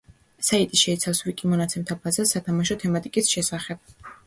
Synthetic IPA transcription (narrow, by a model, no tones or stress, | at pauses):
sait̪ʼiʃɛit̪sʰafsvikʼimɔnat̪sʰɛmt̪ʰapʰazasːat̪ʰamaʃɔt̪ʰɛmat̪ʼikʼisʃɛsaχɛb̥̚